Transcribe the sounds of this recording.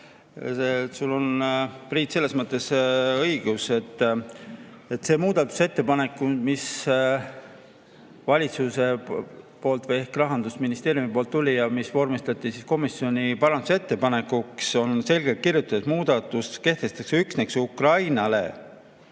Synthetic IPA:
sesulːo̞npriːt̪se̞lːe̞smɤt̪ːˑe̞sɤjɡ̥use̞t̪ˑː | et̪ːˑse̞ːmuːd̪̥ɑt̪ːˑu̥se̞t̪ːe̞pɑne̞kːˑumis | vɑlʲit̪suse̞po̞ːlt̪vɤje̞hkrɑɦɑnd̪usminist̪e̞ːɾjumipo̞ːlt̪ːulʲijɑmisvo̞rmist̪ɑt̪ːˑisisko̞misjo̞nʲipɑɾɑnd̪use̞t̪ːe̞pɑne̞kːˑukso̞nse̞lʲɡ̥elt̪̚kirjut̪ːˑɑd̪esmuːd̪̥ɑt̪ːˑuske̞ht̪e̞st̪ɑkseyksneksukrɑjnɑle̞̰

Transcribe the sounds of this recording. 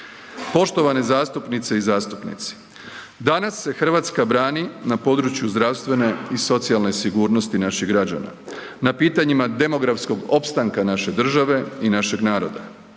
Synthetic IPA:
po̞ʃt̪o̞ʋanezaːst̪upnit̪se̞izaːst̪upnḭt̪si̥ | d̪anasːe̞xr̩ʋaːt̪skabɾaːninapo̞d̪ɾut͡ɕjuzd̪ɾaʋst̪ʋe̞ne̞iso̞t̪sialne̞siɡuːɾno̞st̪inaʃiɦɡɾad͡ʑa̰na̰ | napiːt̪aɲimad̪e̞mo̞ɡɾafsko̞ɡo̞pst̪aŋkanaʃe̞d̪r̩ʒaʋe̞inaʃe̞ɡnaːɾo̞̰d̪a

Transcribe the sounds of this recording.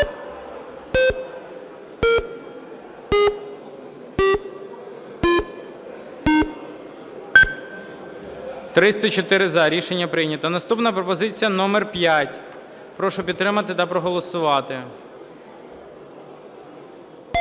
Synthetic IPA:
t̪ɾɪst̪ɐt͡ʃɔt̪ɪɾɪzɐɾʲiʃe̞nʲːɐpɾɪjnʲɐt̪ɔnɐst̪upnɐpɾɔpɔzɪt͡sʲijɐnɔmɛrpʲjatʲ | pɾɔʃɔpʲid̪t̪ːɾɪmɐt̪ɪt̪ɐpɾɔɦɔlˠɔsʊʋɑt̪ɪ

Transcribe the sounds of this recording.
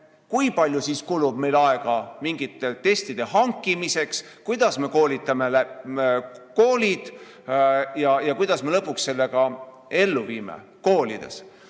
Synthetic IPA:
kujpɑlʲjusiskulub̥̚me̞jlɑe̞ɡ̥ɑmiŋɡit̪ːˑe̞t̪e̞st̪id̪̥e̞hɑŋkˑːimise̞ks | kujd̪̥ɑsme̞ko̞ːlʲit̪ːˑɑme̞læ | ko̞ːlʲid̪̥ | jɑjɑkujd̪̥ɑsme̞lɤpːˑuksse̞lːe̞ɡ̥ɑ | e̞lːuviːmḛ | ko̞ːlḭd̪̥e̞̰s

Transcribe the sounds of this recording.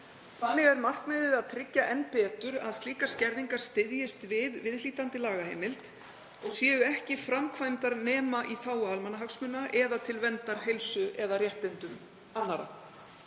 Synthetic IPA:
fʰanːɪɣɛɾmar̥knmɛðɪðaðt̪ʰɾɪcːaʔɛnpɛːt̪ʏɾa̰ðst̪liːkaɾ̥scɛɾðiŋkaɾ̥st̪ɪðjɪst̪vɪðvɪðliːt̪ant̪ɪlaːɣahḛːjmɪlt̪ | ɔɣsjɛːɣʏɛhcɪfɾamkʰvajmt̪aɾnɛːmaʔiθaːwaalmanaɦaksmʏnːaʔɛðat̪ʰɪlvɛnt̪aɾ̥ɦejlsʏɛðarjɛht̪ɪnt̪ʏm | anːaɾa̰

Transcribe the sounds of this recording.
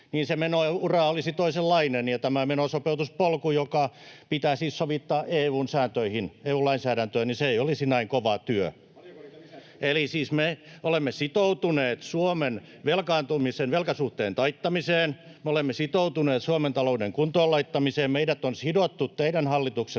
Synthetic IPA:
niːnsemenourɑolisit̪oiselːɑinenjɑt̪æmæmenosopeut̪uspolkujokɑpit̪æːsiːssoʋit̪ːɑːʔeːuːnsæːnt̪øihineːuːlɑinsæːɾænt̪øːniseijolisinæiŋkoʋɑt̪yø | elisiːsmeolemːesit̪out̪uneːt̪suomen | ʋelkɑːnt̪umisenʋelkɑsuht̪eːnt̪ɑit̪ːɑmiseːn | meolemːesit̪out̪uneːt̪suoment̪ɑloudeŋkunt̪oːlɑit̪ːɑmiseːmmeidæt̪onsidot̪ːut̪t̪eidænhɑlːit̪ukse

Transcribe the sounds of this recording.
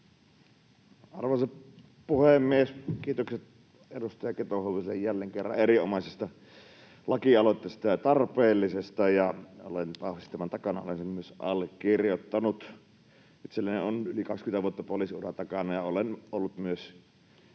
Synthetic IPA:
ɑrʋɑse | puhemːieskiːt̪okset̪ | edust̪ɑjɑket̪ohoʋisejjælːeŋkerːɑ̰erio̰mɑˑsest̪ɑ | lɑkiɑlot̪ˑːeˑːst̪ɑjɑt̪ɑrpeːlːisest̪ɑjɑo̰lent̪ɑhʋist̪æmænt̪ɑkɑnɑ̰o̰lensemmyøsʔɑ̰lːˑekirjot̪ːɑnut̪ | it̪selːænenonylikɑkskynt̪æʋuot̪ːɑpolisiurɑ̰t̪ɑkɑnɑjɑolenʔolːut̪myøs

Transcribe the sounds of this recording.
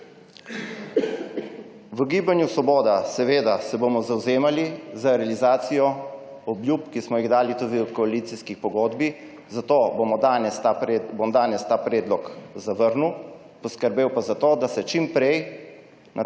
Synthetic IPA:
ʋəɡiːbanjusɔboːd̪asɛʋeːd̪asɛboːmɔzawzeːmalizaɾɛalizaːt̪sijɔ | ɔbljupkismɔjiɣd̪aːlit̪uːd̪iɔt̪kɔalit̪siskixpɔɡoːd̪bi | zat̪oːbomɔd̪anɛsbomd̪aːnɛst̪aːpɾɛːd̪lɔkzaʋəɾnu | pɔskəɾbeːwpazat̪oːd̪asɛt͡ʃimpɾɛj | na

